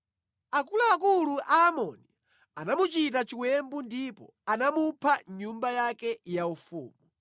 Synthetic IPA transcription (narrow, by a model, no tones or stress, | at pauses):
akulaːkuluʔaːmɔni | anamut͡ʃitat͡ʃiwɛmbundipɔ̰ | anamupʰaɲumbajakɛjaufṵːmu